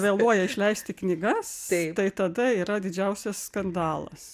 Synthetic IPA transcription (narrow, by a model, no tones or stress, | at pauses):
ʋʲeːlˠuɔjɛɪʃʲlʲɛɪsʲt̪ʲɪknʲɪɡɐst̪t̪ɐɪt̪ɐd̪ɐiːɾɐd̪ʲɪd͡ʒʲɛʊsʲɛsskɐnd̪ɑːlˠɐ̰s